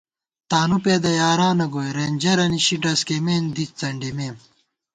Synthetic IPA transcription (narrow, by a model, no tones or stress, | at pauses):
t̪aːnupeːd̪ɐjaːɾaːnɐɡoːjɾeːnd͡ʑɐɾɐniɕiʈɐskemeːnd̪it͡st͡sɐɳɖimeːm